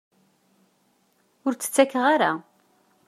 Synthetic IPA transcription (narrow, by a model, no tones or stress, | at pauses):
ʊɾt͡sːə̥t͡sːækːəʁaɾa̰